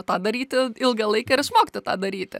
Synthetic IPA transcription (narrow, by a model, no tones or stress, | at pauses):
t̪ɑːd̪ɐɾʲiːt̪ʲɪɪlˠɡɐlˠɐɪkɐɪɾɪsʃmoːkʲɪ̥t̪ʲɪt̪ɑːd̪ɐɾʲiːt̪ʲɪ̰